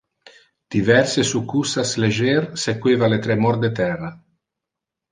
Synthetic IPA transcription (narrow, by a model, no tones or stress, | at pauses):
d̪̥ivɛrsesukːusasled͡ʒersekweːvalet̪ɾemɔɾd̪et̪ɛrːa